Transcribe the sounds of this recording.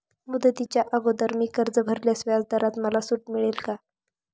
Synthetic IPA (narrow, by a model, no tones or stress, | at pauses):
mud̪ət̪it͡ɕjaʔəɡod̪əɾmiːkəɾd͡zəbʱəɾljasʋjad͡zd̪əɾat̪məlasuʈmiɭelka